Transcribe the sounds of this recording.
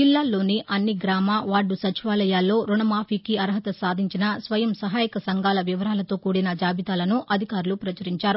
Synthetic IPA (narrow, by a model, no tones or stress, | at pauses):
d͡ʒilːaːlːo̞ːniʔɐnːiɡɾaːmaːʋaːɖːusɐt͡ʃiʋaːlɐjaːlːo̞ːɾuɳɐmaːpʰiːkiɐɾɦɐt̪ɐsaːd̪ʱiɲt͡ʃinɐsʋɐjɐmsɐɦaːjikɐsɐŋɡaːlɐʋiʋɐɾaːlɐt̪o̞ːkuːɽinɐd͡ʒaːbʱit̪aːlɐnuʔɐd̪ʱikaːɾulupɾɐt͡ʃɐɾiɲt͡ʃaːɾu